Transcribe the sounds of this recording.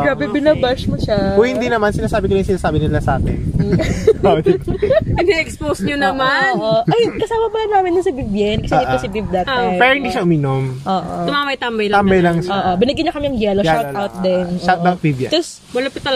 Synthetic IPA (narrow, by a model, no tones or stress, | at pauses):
kɹabɛbɪnɐbɐʃmoʃakohɪnd̪inɐmansɪnaːsaːbɪkolajŋsɪnaːsaːbɪnɪlasɐʔa̰ːt̪ɛ̰n | ɐɡ̚nɛɛksposɲonɐmaoʔoʔɐjkɐsaːmɐpɐlɐnaːmɪnd̪ʊnsɐbibjɛnkɐsɛd̪osɪbivd̪ɐt̪̚apɛːɾohɪnd̪iːʃɐʔʊmiːnomʔoːʔʔo̰t̪ʊmamɐjt̪ambɐjlɐambɐjlɐŋʃoːʔobɪnɪɡɪɲɐkɐmiɐŋjɛlojʃat̪ʔawt̪̚d̪ɛnʔʃad̪ak̪̚bibjɐ̰ɐs | wɐlɐpɪt̪ɐl